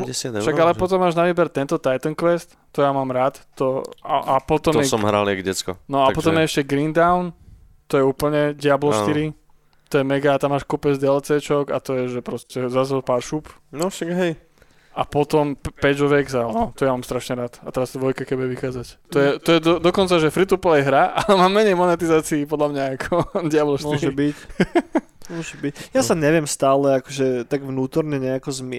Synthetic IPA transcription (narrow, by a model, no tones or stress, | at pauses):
ɟɛsɪad̪ɛʃaɾɡalɛpɔt̪ɔmːaːʒnaʋiːbɛɾt̪ɛnt̪ɔt̪ajt̪ɔŋkʋɛst̪ːɔjamaːmɾaːt̪t̪ɔaapɔt̪ɔmɛsɔmmɦɾa̰liaɡɟɛt͡skɔ̰nɔapɔt̪ɔmjɛɛʃcɛɡɾind̪aʊn | t̪ɔjɛuːpl̩ɲɛɟɪablɔʃt̪iɾi | t̪ɔjɛmɛɡaːt̪amːaːʃkupɛd͡zd̪ɛɛlt͡sɛt͡ʃɔka̰t̪ɔjɛʒɛpɾɔscɛzazɛlpaːɾʃuːp | nɔʃaɡɦɛj | apɔt̪ɔmpɛɟɔʋɛɡzalnɔt̪ɔjamaːmst̪ɾaʃɲɛɾaːt̪at̪ɛɾazd̪ʋɔjkakɛbjɛʋixaːd͡zact̪ɔjɛt̪ɔjɛd̪ɔd̪ɔkɔnt͡saʒɛfɾit̪uplɛjɦɾaʔalɛmaːmːɛɲɛjmɔnɛt̪izaːt͡siːpɔd̪lamɲaakʰɔd̪ɪablɔʃtmiɔʒɛbic | mmɔʒɛbicjasaɲɛʋɪɛmst̪aːlɛakɔʒɛt̪aɡʋnuːt̪ɔɾɲɛɲɛakɔzmɪ